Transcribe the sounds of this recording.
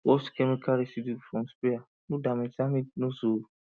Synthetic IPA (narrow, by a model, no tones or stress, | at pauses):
wɔskʰɛmikʰaɾesidifɔ̃mspea | nũdamɛ̃samĩnõso